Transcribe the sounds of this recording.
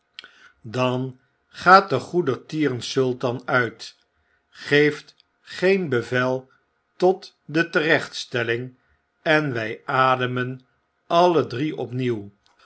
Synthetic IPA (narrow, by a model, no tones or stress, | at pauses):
dɑn | χaːt̚dəχudətiːrənsɵlˠtɑnœɥt | χejft | χejnbəvɛlˠ | tɔt | dətərɛχtstɛlɪŋ | ɛnʋɛjʔaːdəmən | ɑlədriʔɔpniw